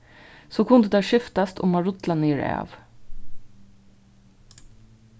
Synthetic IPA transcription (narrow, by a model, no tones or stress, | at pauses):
soːkʰʊnd̪əd̪æʃʏft̪ɑst̪ʊ̰mɑɹʊt̪lɑniːɹɛ̰ʋ